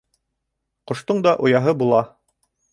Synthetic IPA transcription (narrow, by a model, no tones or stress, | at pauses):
qŏʃt̪oɴd̪ɑʔŏjɑɦɤbulˠɑ